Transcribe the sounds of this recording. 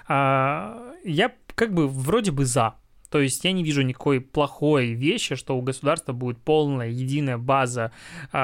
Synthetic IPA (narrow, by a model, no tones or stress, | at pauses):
a | jakaɡ̚bɨvɾodʲɪbɨza | t̪o̞jɪsʲtʲjanʲɪvʲiʐʊnʲɪkɐ̥ko̞jplˠɐxo̞jvʲeɕːɪʂt̪o̞ʊɡəsʊd̪arst̪vəbudʲɪt̪̚po̞lˠnəjəjɪdʲinəjəbazə